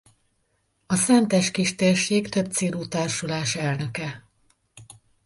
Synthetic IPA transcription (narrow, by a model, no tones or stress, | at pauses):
ɒsɛnt̪ɛʃkiʃt̪eːrʃeːkt̪ø̞b̚t̪seːluːt̪aːrʃulaːʃɛlnø̞kɛ